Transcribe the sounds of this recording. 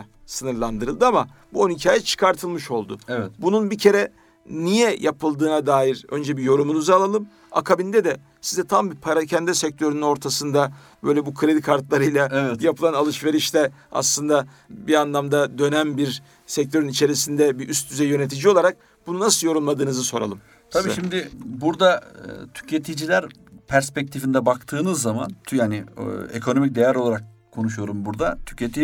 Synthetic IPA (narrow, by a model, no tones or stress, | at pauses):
sɯnɯɾlˠand̪ɯɾɯlˠd̪ɯama | buonicʰaːjɛt͡ʃʰɯ̥kʰaɾt̪ʰɯlˠmɯʃo̞lˠd̪ʊ̰bununbicʰe̞ɾɛ | nijɛjʔapʰɯlˠd̪ɯːnad̪aːjiɾø̞nd͡ʒɛbijo̞ɾumunuzalˠalˠɯm | a̰kʰabind̪ɛd̪ɛ | sizɛt̪ʰambipʰaɾacʰɛnd̪ɛsɛc̚t̪ʰø̞ɾynyno̞ɾt̪ʰasɯnd̪a | b̥ø̞jlʲɛbukʰɾe̞d̪ikʰaɾt̪lˠaɾɯjlʲˠajapʰɯlˠanalˠɯʃve̞ɾiʃlɛa̰slˠɯnd̪a | bianlˠamd̪ad̪ø̞næmbiɾ | sɛc̚t̪ʰø̞ɾynit͡ʃʰe̞ɾisind̪ɛbiʔyst̪ʰyzɛjø̞net̪ʰid͡ʒiolˠaɾak̚ | b̥ununasɯlˠjo̞ɾulˠmad̪ɯːnɯzɯso̞ɾa̰lˠɯmʰ | abiʃimd̪ɪbuɾd̪at̪ʰy̥cʰet̪ʰid͡ʒilʲæɾ | pʰæɾspɛc̚t̪ʰifind̪ɛbakt̪ʰɯːnɯzːama̰nʰjaːnɪekʰo̞no̞mic̚d̪e̞jæɾo̞lˠaɾak̚ʰːo̞nuʃujo̞ɾumbuɾd̪at̪ʰy̥cʰet̪ʰi